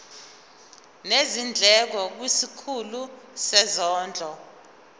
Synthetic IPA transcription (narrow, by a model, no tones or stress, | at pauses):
nezind͡ɮʱɛk̬ɔk̬wisikʰulusɛzɔːnd͡ɮʱɔ